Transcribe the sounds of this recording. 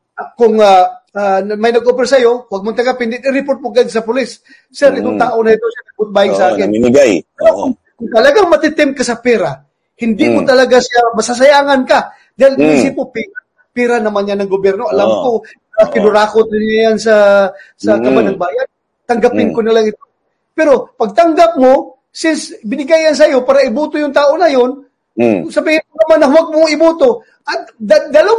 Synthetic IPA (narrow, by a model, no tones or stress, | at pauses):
akʊŋaamajnɐɡopɛɾsɐjo̞waɡ̚mot̪ɐŋɡapɪnd̪ɪnɪɾɪpoɾt̪̚mʊɡad̪s̬ɐpʊlɪsː | ɛɾʔɪt̪oŋt̪aːʔonɐɪt̪osjanɐɡ̚bʊt̪̚baːjɪŋsɐʔaːkɪnɡajpɛɾokʊŋ | kʊŋt̪ɐlɐɡaŋmɐt̪ɪt̪ɪmkasɐpɛːɾa | hɪnd̪ikot̪ɐlɐɡasɪjamɐsas̬ɐjaːŋanka | d̪aɪlɪisɪpopiɾa | piːɾanɐmanjanɐŋɡobjɛɾnoʔɐlamko | akɪnʊɾaːkot̪̚ʊnajans̬ɐsɐkɐbanɐŋbaːjan | t̪ɐŋɡɐpɪnkonɪlaŋɪt̪o | pɛɾo̞pɐɡ̚t̪ɐŋɡap̚mo | sɪnsbɪnɪɡajans̬ɐjo̞paːɾɐɪbuːt̪ojʊŋt̪aːʔo̞nɐjon | sɐbihɪnkʊnɐmanːɐhʊwaɡ̚moɪbuːt̪o̞ | ʔɐt̪̚d̪ad̪alo